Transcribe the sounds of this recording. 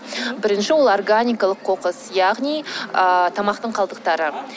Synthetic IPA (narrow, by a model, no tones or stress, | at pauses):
bɪɾɪnʃɪwo̞lˠo̞rɡanʲijkɑlˠəqʰːo̞qəsjɑʁnijət̪ʰɑmɑqt̪əɴqʰɑlˠd̪əqt̪ɑɾə